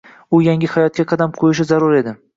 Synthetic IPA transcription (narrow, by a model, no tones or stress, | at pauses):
ʊjaŋʲɪhajɒt̪̚kʲaqʰɑd̪amqʰojɪʃ̬ɪzaɾʊɾe̞d̪ɪ